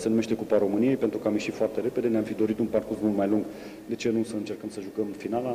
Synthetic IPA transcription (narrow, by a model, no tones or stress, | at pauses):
senume̞ʃt̪e̞kupaɾo̞mɨnije̞jpe̞nt̪ɾukəamjeʃit̪foart̪e̞ɾe̞pe̞d̪e̞neamfid̪o̞ɾit̪unparkursmult̪majluŋɡ | d̪e̞t͡ʃe̞nusəɨnt͡ʃe̞rkəmsəʒukəmfinala